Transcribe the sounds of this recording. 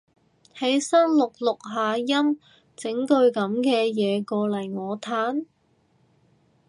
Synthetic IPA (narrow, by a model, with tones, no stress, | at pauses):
he˨˥jsɐ˥nlʊ˨k̚lʊ˨k̚ɦaː˨˧jɐ˥m | t͡sɪ˨˥ŋkɵ˧ɥkɐ˨˧˥mkɛː˧jɛː˨˧kɔː˧lɐ˨˩jŋɔː˨˧t̪ʰaː˨˥n